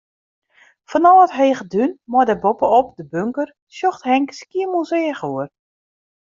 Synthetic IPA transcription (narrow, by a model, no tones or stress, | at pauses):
fɔnɔːətɦeːχədynmɔdɛbopəop̚dəbøŋkər | sjoxthɛŋkə̥skiəmuzeːχuər